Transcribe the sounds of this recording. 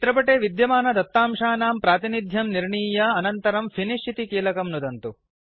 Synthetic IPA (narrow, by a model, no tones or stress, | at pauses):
t̪ɾɐpɐʈeːʋid̪jɐmaːnɐd̪ɐt̪ːaːmʂaːnaːmpɾaːt̪inid̪ʱjɐmniɾɳiːjaɐnɐnt̪ɐɾɐmfʰiniʂit̪ikiːlɐkɐmnud̪ɐnt̪u